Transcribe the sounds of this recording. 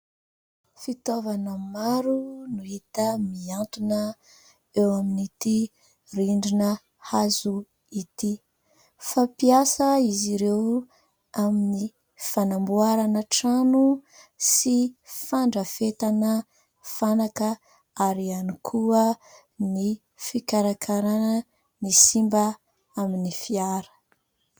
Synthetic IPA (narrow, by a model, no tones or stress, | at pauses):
fit̪ovanəmaɾunuɦit̪əmiant̪unə | ewaminit̪i | riɳɖ͡ʐinə | hazu | it̪i | fapiasəiziɾew | amini | fanambuaɾanəʈ͡ʂanusifaɳɖ͡ʐəfet̪anə | fanakə | aɾianikʰuə | ni | fikaɾakʰaɾanə | nisimba | aminifiaɾə̥